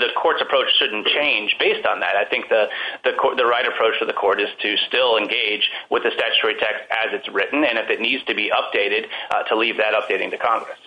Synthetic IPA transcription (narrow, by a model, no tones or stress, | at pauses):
ðɨkʰɔɹtsəpʰɹ̥oʊt͡ʃʃʊdⁿn̩t͡ʃʰẽɪ̃nd͡ʒbeɪstn̩ðɨ̰ɾaɪθɪ̃ŋk̚ðɨðɨkʰɔðɨɹaɪɾɨpʰɹ̥oʊt͡ʃfʰʌðɨkʰɔɹɾɨz̥tʰɨstɪlˠɨ̃nɡeɪd͡ʒwʔɨðɨstæt͡ʃʉ̥tʰɛɹitʰɛkstɨzɨtsɹɪʔn̩ɨ̃ñɨfɨtⁿnidz̥tʰɨbiʔʌp̚d̥eɪɾɨd̚tʰəlivðɨɾʌp̚d̥eɪɾɪ̃ŋtɨkʰɑ̃ŋɡɹɨ̰s